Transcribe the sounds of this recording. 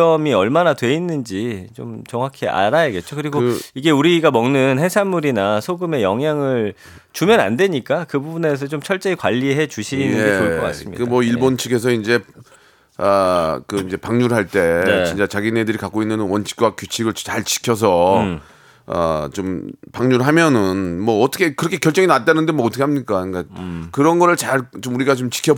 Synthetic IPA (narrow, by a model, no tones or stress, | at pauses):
ʌmiʌɭmanatwe̞inːɯnd͡ʑit͡ɕomt͡ɕʌŋwakʰiʔa̰ɾajaɡe̞t̚t͡ɕ͈okɯɾiɡoiɡe̞uɾiɡamʌŋnɯnɦesʰanmuɾinasʰoɡɯme̞jʌŋɦjaŋɯɭ | t͡ɕumjʌna̰ndwe̞ɲik͈akɯbubune̞s̬ʰʌt͡ɕomt͡ɕʰʌɭt͡ɕ͈eikwaʎːieɦe̞t͡ɕuɕʰiːnɯeɡeoɭkʌk͈a̰s͈ɯmɲḭkɯmwʌiɭbont͡ɕʰiɡʰe̞s̬ʰʌind͡ʑe̞ | ʌkɯind͡ʑe̞paŋɲuɾɦaɭt͈e̞t͡ɕint͡ɕ͈at͡ɕaɡinedɯɾikak͈oinːɯnwʌnt͡ɕʰi̥k͈̚wakjut͡ɕʰiɡɯɭt͡ɕaɭt͡ɕi̥kʰjʌs̬ʰʌ | ʌ̰t͡ɕompaŋɲuɾɦamjʌnɯnmwʌːt͈ʰʌkʰe̞kɯɾʌkʰe̞kjʌɭt͡ɕ͈ʌŋinat̚t͈anɯndemʌːtʰʌkʰeamɲik͈akakɯɾʌnɡʌɾɯɭt͡ɕaɭt͡ɕomuɾiɡat͡ɕomt͡ɕi̥kʰjʌ